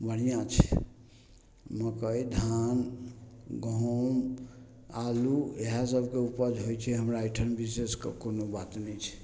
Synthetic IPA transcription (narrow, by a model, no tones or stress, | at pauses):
bəɽ̤ijãt͡ʃʰɛ̰ | məkəid̪ʱan | ɡʱom | alueɦas̬əbʱkeupəd͡ʒɦojt͡ʃʰɛɦəmɾaiʈʰənbiseskḛkonobat̪nɛjt͡ʃʰɛ̥